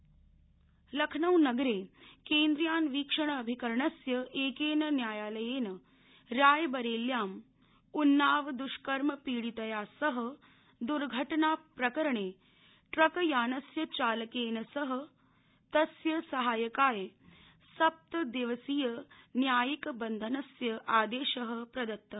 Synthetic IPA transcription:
lɐkʰnɐwnɐɡɾeːkẽːnd̪ɾjaːnʋiːkʂɐɳ̃əːbʱikɐɾɐɳɐsjɐeːkeːnɐnjaːjaːlɐjeːnɐ | ɾaːjbɐɾeːljaːm | unːaːʋd̪uʃkɐɾmɐpiːɽit̪ɐjaːsɐɦɐ̆ | d̪uɾɡʱɐʈnaːpɾɐkɐɾɐɳeː | ʈɾɐkɐjaːnɐsjɐt͡ʃaːlɐkeːnɐsɐɦɐ̆ | t̪ɐsjɐsɐɦaːjɐkaːjɐ | sɐp̚t̪ɐd̪eʋɐsiːjɐnjaːjikbɐnd̪ʱɐnɐsjɐʔaːd̪eːʃɐɦɐ̆pɾɐd̪ɐt̪ːɐ

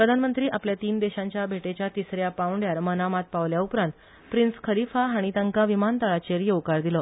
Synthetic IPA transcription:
pɾəd̪ʱanmənt̪ɾiːʔapljat̪iːnd̪eɕãɲt͡ɕjabʱeʈet͡ɕjat̪isɾjapawɳɖjaɾmənamat̪̚paʋljaupɾãnt̪ | pɾinskʰəɾifaɦaɽ̃it̪əŋkaʋimant̪aɭat͡ɕeɾjeʋkaɾd̪ilə

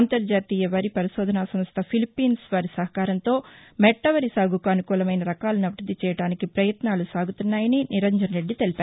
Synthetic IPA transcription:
ɐnt̪ɐɾd͡ʒaːt̪iːjɐʋɐɾipɐɾiʃɔːd̪ʱɐnaːsɐmst̪ʰɐpʰilipːiːnsʋaːɾisɐɦɐkaːɾɐnt̪o̞ːmɛʈːɐʋɐɾisaːɡukuɐnukuːlɐmɐjnɐɾɐkaːlɐnɐʋɐɾɐd̪it͡ʃɛːjɐɽaːnikipɾɐjɐt̪naːlusaːɡut̪unːaːjɐniniɾɐnd͡ʒɐnɐɾe̞ɖːit̪e̞lipaː

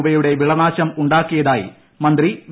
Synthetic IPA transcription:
bɐjuɽe̞ʋiɭɐnaːɕɐmuɳɖaːkːijɐðaːjḭ | mɐnd̪riʋ

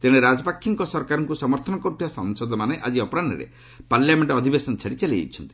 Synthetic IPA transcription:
t̪eɽ̃eɾad͡ʒɔpakʰːiŋkɔsɔɾkaɾɔŋkusɔmɔɾt̪ʰɔnɔkɔʈiasɔŋsɔd̪ɔmaneʔad͡ʒiɔpɔɾaɳɖḭɾḛ | paɾljameɳʈːd̪ʱibesɔnt͡ʃʰaɽit͡ʃelejḛt͡ʃʰɔnt̪i̥

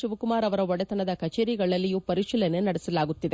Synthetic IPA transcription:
ʃuʋɐkumaːɾɐʋɐɾɐɔɽɛt̪ɐnɐd̪ɐkɐt͡ʃeːɾiɡɐɭɐlːijupɐɾiʂilɐnenɐɽɛsɐlaːɡut̪ːid̪e

